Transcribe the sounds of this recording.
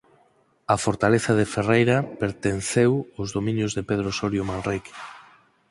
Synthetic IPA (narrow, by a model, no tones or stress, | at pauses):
ɐfoɾt̪aleθaðeferejɾapeɾt̪en̟θewʊzðomĩnjozðepeð̞ɾosoɾjomanrik